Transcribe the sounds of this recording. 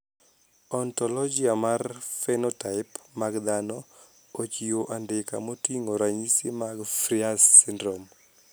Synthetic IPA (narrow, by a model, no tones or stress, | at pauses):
ɔntɔlɔd͡ʒiamarfɛnɔtaɪpmaɡd̪anɔ | ot͡ʃioʔandɪka̰motiŋoɾaɲisemaɡfɾiasːindɾom